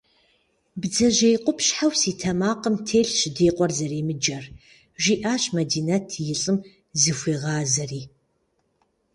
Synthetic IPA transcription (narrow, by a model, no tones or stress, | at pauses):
bd͡zɐʒejqʷʼʊpɕħawsiːtʰɐmaːqʼəmtʰeːɬʃɪdeːqʷʼɔrzɐreːmɨd͡ʒɐr | ʒiːʔaːɕmɐdiːnɐtʰjɪɬʼɨm | zɨxʷiːʁaːzɐriː